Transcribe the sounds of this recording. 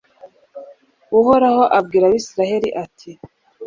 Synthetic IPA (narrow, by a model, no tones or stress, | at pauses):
uhoɾaho̞ʔab̚ɡiːɾaβisiɾahe̞ɾiʔatʰi